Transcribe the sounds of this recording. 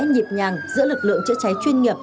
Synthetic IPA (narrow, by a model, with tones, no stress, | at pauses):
ɲi˨˩p̚ɲaː˨˩ŋzɨ̰˧˥əlɨ˨˩k̚lɨ̰˧˨əŋt͡ɕɨ̰˧˥t͡ɕa˨˦jt͡ɕwi˧ənŋi˨˩əp̚